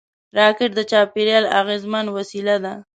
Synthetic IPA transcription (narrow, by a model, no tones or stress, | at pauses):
ɾɑkɪʈ̚d̪ət͡ʃɑpeɾjɑla̰ɣezmanwasilad̪a